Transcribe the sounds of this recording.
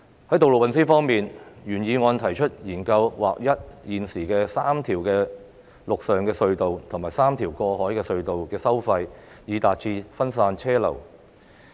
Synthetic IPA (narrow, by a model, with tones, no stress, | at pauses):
hɐ˨˥jt̪o˨wlo˨wɐ˨nsiː˥fɔː˥ŋmiː˨njyː˨˩njiː˨˧ŋɔː˧nt̪ʰɐ˨˩jt͡ʃʰɵ˥t̚jiː˨˩nkɐ˧wwa̰ː˨k̚jɐ˥t̚jiː˨nsiː˨˩kɛː˧saː˥mt̪ʰiː˨˩wkɛː˧ | lʊ˨k̚sœː˨ŋkɛː˧sɵ˧ɥt̪o˨wt̪ʰʊ˨˩ŋmaː˨jsaː˥mt̪ʰiː˨˩wkɔː˧hɔː˨˥jkɛː˧sɵ˧ɥt̪o˨wkɛː˧sɐ˥wfɐ˧j | jiː˨˧t̪aː˨t̚t͡ʃʰiː˧fɐ˥ns̬aː˧nt͡ʃʰɛː˥lɐ̰˨˩w